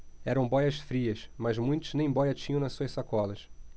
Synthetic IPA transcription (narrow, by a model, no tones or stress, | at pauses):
ɛɾɐ̃w̃bɔjɐsfɾiɐsmɐzmũj̃t̪ʊznẽj̃bɔjɐt͡ʃĩɲɐ̃w̃nɐsuɐʃsakɔlɐs